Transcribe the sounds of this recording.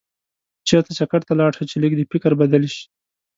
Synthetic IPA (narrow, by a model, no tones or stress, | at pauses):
t͡ʃeɾt̪at͡ʃakaɽt̪alɑɽʃat͡ʃelikd̪epɪkaɾbad̪alʃi̥